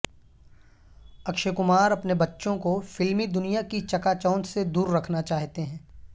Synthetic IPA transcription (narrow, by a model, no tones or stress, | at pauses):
ɐkʃekʊmaːɾɐpnebɐtːʃõkofɪlmid̪ʊnijakit͡ʃɐkaːt͡ʃaːnsed̪uːɾːɐkʰnat͡ʃaːɦt̪eɦɛ̃ː